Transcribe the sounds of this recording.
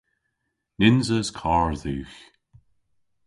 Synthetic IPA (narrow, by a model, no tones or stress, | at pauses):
nɪnzəz̥kʰɑːɹðʉːx